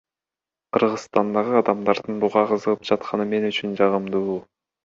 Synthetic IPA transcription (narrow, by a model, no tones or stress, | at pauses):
qʰɯɾʁɯsst̪ɑnd̪ɑʁɯɑd̪ɑmd̪ɑɾd̪ɯnbuʁɑqʰɯzɯʁɯp̚d͡ʒɑt̪̚qʰɑnɯme̞nyt͡ʃynd͡ʒɑʁɯmd̪uː